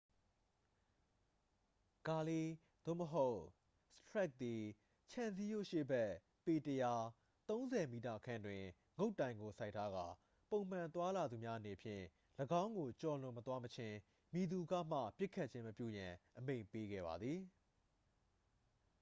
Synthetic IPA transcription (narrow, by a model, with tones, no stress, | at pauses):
ɡ̥a˨li˦ | d̪̥o̰˦˨məɦo˦ʊʔ | sə̥tɹɛ˦k̚t̪i˨ | t͡ɕʰã˨nzi˦jo̰˦˨ʃḛ˦˨bɛ˦ʔ | pe˨təja˨ | t̪õ˦ʊ̃nzɛ˨mi˨ta̰˦˨ʔəkʰã˦ndwɪ̃˨ | ŋo˦ʊtːã˨ɪ̃ŋɡo˨sa˦ɪtʰːa˦ɡa̰˦˨ | põ˨ʊ̃m̥ã˨nt̪wa˦la˨d̪u˨mja˦ʔəne˨pʰjɪ̰̃˦˨ | ləɡã˦ʊ̃ŋɡo˨t͡ɕɔ˨lʊ̃˨mət̪wa˦mət͡ɕʰɪ̃˦ | mi˨d̪u˨ɡa̰˦˨m̥ä̰˦˨pjɪ˦ʔkʰːa˦ʔt͡ɕʰɪ̃˦məpjṵ˦˨jã˨ʔəmḛ̃˦˨mpe˦ɡɛ̰˦˨ba̰˨d̪ði˨